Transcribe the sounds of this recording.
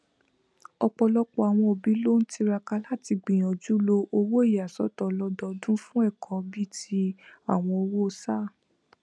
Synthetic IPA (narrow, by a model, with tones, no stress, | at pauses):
ɔ˧k͡pɔ˧lɔ˦k͡pɔ˧a˨w̃ɔ̃˧o˨bi˨˦lo˦˨n̩˦ti˧ɾa˧ka˧la˦˨ti˧ɡ͡bĩ˨j̃ɔ̃˨d͡ʒu˨˦lo˧ʔo˧wo˦i˦˨ja˨sɔ̰˦tɔ˨lɔ˧˦dɔ˧˦dũ˦fũ˦ɛ˦˨kʰɔ̃˨˦bi˦ti˦a˦˨w̃ɔ̃˧o˧wo˦o˧sa˦˨